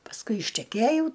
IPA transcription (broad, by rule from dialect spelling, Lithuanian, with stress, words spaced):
pɐsˈkʊɪ ɪʃʲtʲɛˈkʲeːjɛʊ